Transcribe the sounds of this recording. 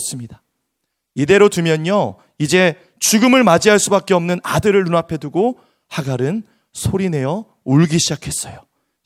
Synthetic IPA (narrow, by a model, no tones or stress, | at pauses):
s͈ɯmɲida | ide̞ɾotɯmjʌɲo | id͡ʑe̞ | t͡ɕuɡɯmɯɭmad͡ʑiɦaɭs͈ubak͈eʌmnɯnadɯɾɯɭːunapʰe̞duɡo | haɡaɾɯn | sʰoɾine̞jʌ | uɭɡiɕʰid͡ʑakʰe̞s͈ʌjo